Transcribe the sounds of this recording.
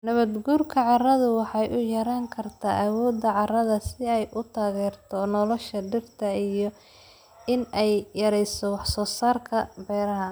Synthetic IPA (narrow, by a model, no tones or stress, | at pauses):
nɐβɐd̪ɡuːrkʰɐʕɑrɐðʊwɑħɑjʔʊjɐɾaːŋkʰɐrt̪ʰaːʔɐwɔːd̪ːɐʕɑrɐðɐsɪɛjʔʊt̪ʰaːɣɛːrt̪ʰɔnɔlɔʃɐɖɪrt̪ʰɐijɔ | ɪnɛjjɐɾɛjsɔwɑħsɔːsaːrkʰɐbɛːɾɐɦɐ